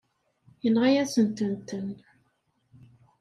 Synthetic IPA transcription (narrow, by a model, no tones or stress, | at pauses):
jənʁajæsənt̪ənt̪ən